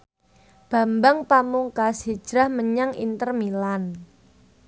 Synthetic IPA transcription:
b̥a̤mbaŋpamuŋkasid̥ʒ̥ɾahməɲaŋḭnt̪ərmilan

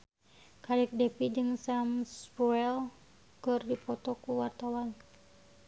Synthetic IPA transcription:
kadɛk̚depid͡ʒɨŋsamsbuɛl | kɨrdipɔt̪ɔkuwart̪awan

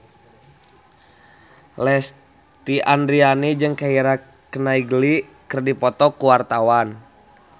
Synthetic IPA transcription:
lɛs | t̪iʔandɾianid͡ʒɨŋkaiɾa | kənaiɡlikərdipɔt̪ɔkuwart̪awan

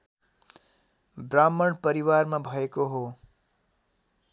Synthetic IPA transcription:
bramːʌɳpʌɾiwarmabʱʌekoɦo

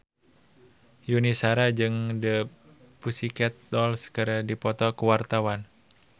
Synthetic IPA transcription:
junisaɾad͡ʒɨŋdə | pusikɛt̪̚dɔlskəɾədipɔt̪ɔkəwart̪awan

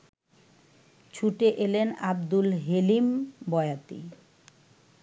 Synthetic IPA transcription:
t͡ɕʰuʈeʔelenab̚d̪ulɦelimbɔeat̪ḭ

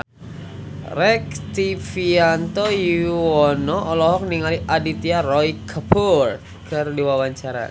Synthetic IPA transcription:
rɛkt̪ifiant̪ojiwɔnɔʔɔlɔɦɔk̚niŋaliʔadit̪iarɔikʰəpʰur | kɨrdiwawaɲt͡ʃaɾa̰

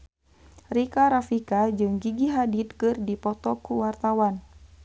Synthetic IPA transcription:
rikaɾafikad͡ʒɨŋɡiɡiɦadit̪̚kɨrdipɔt̪ɔkuwart̪awan

